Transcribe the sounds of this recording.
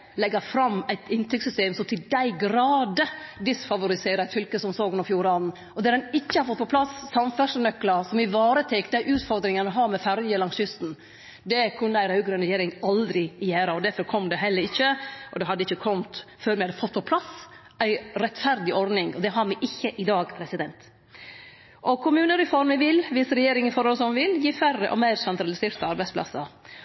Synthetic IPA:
lɛɡːɑɾfɾɑmːæɪt̪ɪnt̪ɾʏksʏst̪eːmsɔmt̪ʰɪld̪æɪɡɾɑːd̪əd̪ɪsfɑʋʊɾɪseːɾəæɪt̪fʏlkəsɔmsoːɡʉnɔɾfjuːɾɑn̩ | ɔd̪æːɾd̪ɛnɪçːəhɑɾfɔt̪̚ːpʰɔpʰlɑsːɑmfæʂnœkːləɾsɔmɪʋɑːɾət̪ʰɛkd̪æɪʔʉːt̪fɔɾd̪ɾɪŋɑnəɦɑɾmɛfæɾjəlɑŋsjʏst̪n̩ | d̪ɛkʰʉnːəæɪɾɑʉɡɾʉnɾɛjeːɾɪŋɑld̪ɾɪɪjeːɾəɔd̪æɾfɔɾkʰɔmd̪ɛɦɛlːəɾɪçːəʔɔd̪ɛɦɑd̪ːəɪçəkʰɔmt̪føːɾmɪhɑd̪əfɔt̪ːpʰɔpʰlɑs | æɪɾɛt̪fæɾd̪ɪɔɾd̪nɪŋɔd̪ɛɦɑɾmɛʔɪçːəʔɪd̪ɑːɡpʰɾɛsɪd̪ɛnt̪ | ʔɔkʰʊmʉːnəɾɛfɔɾməʋɪlʋɪsɾɛjeːɾɪŋɪfɔɾhɔlsɔmʋɪljiːfærə̰ʔɔ̰mæɪɾsɛnt̪ɾɑlɪseːɾt̪ɑɑɾbæɪsplʔɑ̰sə̰ɾ

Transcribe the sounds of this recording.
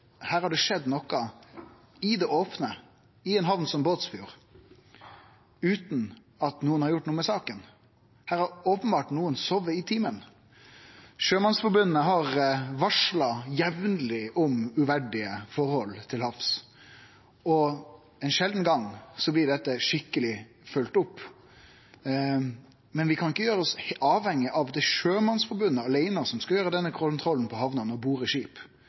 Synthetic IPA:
hæːɾhɑɖɛʂɛd̪ːnɔkːɑ | ɪd̪ɛʔoːpnə | ɪɛnɦɑʋnsɔmboːt̪sfʉːʁ | ʉːt̪n̩ | ɑt̪nuːənhɑɾjʊʈːnuːəmɛsɑːkən | hæːɾhɑɾoːpənbɑːʈnuːənsɔʋəɪt̪ʰiːmən | ʃøːmɑnsfɔɾbʉnːəɦɑʁʋɑʂlɑjɛʋnlɪʔɔmʉʋæɖɪəfɔɾhɔlt̪ʰɪlhɑfs | ɔ | ɛɪnʃɛld̪n̩ɡɑŋsɔblɪɖɛt̪ːəʂɪkːəlɪ | fʉlt̪ʊpː | mɛnʋɪkʰɑnɪkːəjøːɾəɔsɑːʋhɛŋːɪʔɑʋd̪ɛʂøːmɑnsfɔɾbʉnːəɑleɪnəsɔmskɑljøːɾəd̪ɛnːəkʰɔlnt̪ʰɾɔlːn̩pʰɔhɑʋnənɔbuːʁɪʂiːp

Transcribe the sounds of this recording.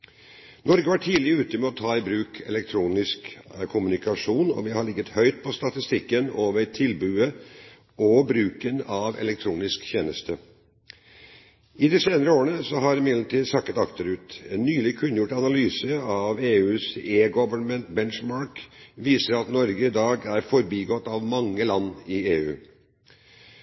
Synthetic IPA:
nɔɾɡəʋɑʈʰiːlɪəʉːt̪əmɛɔt̪ʰɑːɪbɾʉːkʰɛ̰lɛk̚t̪ʰɾuːnɪskkʰʊmʉnɪkɑʂuːnɔ̰ʋɪhɑɭɪɡət̪hœʏt̪̚pʰɔst̪ɑt̪ɪst̪ɪkːənoːʋəɾt̪ʰɪlbʉːə | ɔbɾʉːkənɑʋɛ̰lɛkt̪ʰɾuːnɪskçeːnəst̪ʰə | ɪd̪ɛseːnəɾəoːɾəɳəsɔɦɑɾɪmɪd̪lʈʰiːd̪sɑkːət̪ɑkt̪əɾʉːt̪ɛːnːyːlɪkʰʉnːəjʊʈːɑnɑlyːsəɑʋeːʉːseːɡɔʋəɳmənt̪bɛnʂmɑɾkʋiːsəɾɑt̪nɔɾɡəɪd̪ɑːɡæɾfɔɾbiːɡɔt̪ːɑʋmɑŋːəlɑnːɪeːʉː

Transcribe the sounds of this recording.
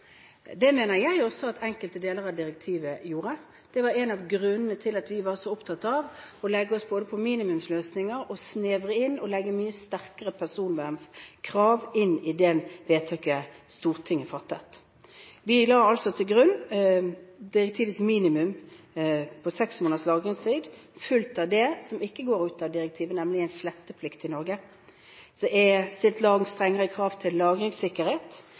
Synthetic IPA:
d̪ɛmeːnəɾjæɪɔsːɔɑt̪ʰɛŋkəlt̪əd̪eːləʁɑd̪ɪɾɛk̚t̪ʰiːʋəjuːɾə | d̪̥ɛʋɑɾɛnɑʋɡɾʉnːənət̪ʰɪlɑt̪ʋɪʋɑːsɔʊpt̪ʰɑt̪ːɑʋɔlɛɡːəɔsboːd̪əpʰɔmiːnɪmʉmsløːsnɪŋəɾɔsneːʋʁəɪnːɔlɛɡːəmyːəst̪æʁkəʁəpʰæsuːnʋæʁnskʰʁɑːʋɪnːɪd̪ɛnʋeːt̪ʰɑkːəst̪uːʁt̪ʰɪŋːəfɑt̪ːə̰t̪ | ʋɪlɑːɾɑlsɔt̪ʰɪlɡʁʉnː | d̪ɪɾɛk̚t̪ʰiːʋət̪smiːnɪmʉm | pʰɔsɛksmoːnəd̪slɑːɡʁɪŋst̪ʰiːd̪fʉlt̪ɑʋd̪ɛsɔmɪkːəɡoːɾʉːt̪ɑʋd̪ɪɾɛk̚t̪ʰiːʋənɛmlɪæɪnslɛt̪ːəpʰlɪkt̪ɪnɔɾɡə | sɔɛst̪ɪlt̪lɑːɡŋ̩st̪ʁɛŋːəʁəkʰʁɑːʋt̪ʰɪlːɑːɡʁɪŋsɪkːəɾheːt̪

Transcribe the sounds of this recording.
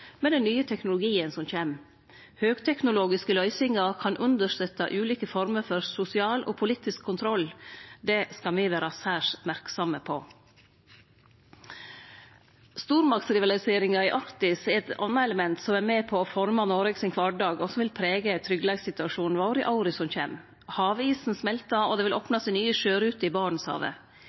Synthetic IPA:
mɛd̪ɛnːyːət̪ʰɛknʊlʊɡiːənsɔmçeːm | høːɡt̪ʰɛknʊloːɡɪskəlœʏsɪŋɑkʰɑnʔʉnd̪əʂt̪œt̪ːɑ̰ʔʉːliːkəfɔɾməɾfɔɾsʊsɪɑːlʔo̰ːpʰʊliːt̪ɪskʰːʊnt̪ʰɾɔld̪ɛskɑmiːʋæːɾɑsæːʂmæɾksɔməpʰoː | st̪uːɾmɑksɾɪʋɑlɪseːɾɪŋɑɪʔɑɾt̪ɪsɛt̪ɑ̰nːɑɛləmɛnt̪sɔmæːɾmɛpʰɔɔfɔɾmɑnoːɾɛɡsɪnkʰʋɑɖɑːɡɔsɔmʋɪlpʰɾeːɡət̪ʰɾʏɡːlɑːɡsɪt̪ʉɑʂuːnn̩ʋɑːɾɪʔɑʊɾɪsɔnçḛːm | hɑːʋiːsn̩smɛlt̪ɑɔd̪ɛːʋɪlʔoːpnɑsiːnyːəʃøːɾʉːt̪əɪbɑːɳɳ̩n̩shɑ̰ːʋə̰

